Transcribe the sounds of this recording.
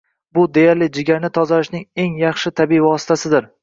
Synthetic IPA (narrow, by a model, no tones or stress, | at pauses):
bʊd̪e̞jaɾlɪd͡ʒɪɡʲaɾnɪt̪ʰɒzalɪʃnɪŋe̞ŋjɑχʃɪt̪ʰabiivɒsɪ̥t̪ʰasɪd̪ɪɾ